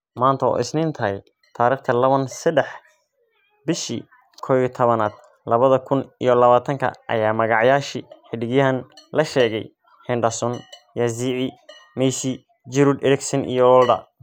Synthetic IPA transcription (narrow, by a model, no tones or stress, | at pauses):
maːnt̪ʰɐɔ̰ʔɪ̰snɪnt̪ʰɐɛj | t̪ʰaːɾiːχt̪ʰɐlɐβɐnsɐd̪ɛħ | bɪʃḭ | kʰɔit̪ʰɔβɐnaːd̪̚ | lɐβɐðɐkʰʊnḭjɔlɐβaːt̪ʰɐŋkʰɐ̰ʔɐ̰jaːmɐɣɑʕjaːʃiːħɪɖɪɣjɐɦɐnlɐʃɛːɣɛj | ħɛnɖɐsɔnjɐziːʕi | mɛjsi | d͡ʒɪɾʊd̪ɛɾɪksɐnʔḭjɔɔːlɖɐ̰